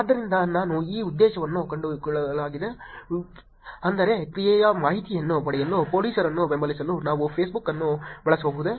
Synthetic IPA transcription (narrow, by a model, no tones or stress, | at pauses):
aːd̪ːɐɾind̪ɐnaːnuiːud̪ːeːʃɐʋɐnːukɐɳɖukɭɐlaːɡid̪e | ɐnd̪ɐɾe̞kɾijɛjɐmaːɦit̪ijɐnːupɐɽɛjɐlːupo̞ːliːsɐɾɐnːuʋembɐlisɐlːunaːʋupʰeːsbukːɐnːubɛɭɐsʋoːbuɦud̪e